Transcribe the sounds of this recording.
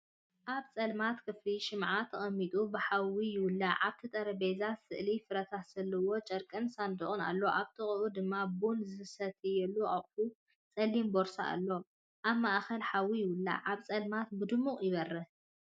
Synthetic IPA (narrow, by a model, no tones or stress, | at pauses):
ʔaβt͡sʼɐlmat̪kʰɨfliʃɪmʕat̪ʰːɐχʼɐmːit̪ʼubɨħawijɪwʊlːaʕaβt̪ʰit̪ʼɐɾɐbezat̪sɨ̰ʔlifɨɾɐt̪ʰasɐlːɐwo̞t͡ʃʼɐɾkʼɐnsand̪ɨʔʼuna̰lːo̞ʔaβt̪ʰɨχʼʔud̪ɨmːabunzɨsɐt̪ʰɨjɛlːuʔaχʼfu | t͡sʼɐlːimboɾsa̰ʔa̰lːo̞ | ʔaβmaʔxɐlħawːijɪwʊlːa̰ʕaβt͡sʼɐlmat̪bɨd̪ɨmːuχʼjɪβɐrːɐ